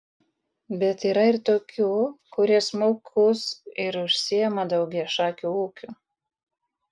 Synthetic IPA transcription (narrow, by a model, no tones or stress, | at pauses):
bʲɛt̪iːɾɐɪɾt̪oːkʲuːkʊɾʲiɛsmoːkʰʊsɪɾʊʃʲsʲɪjɛmɐd̪ɐʊɡʲiɛʃɑːkʲuːuːkʲuː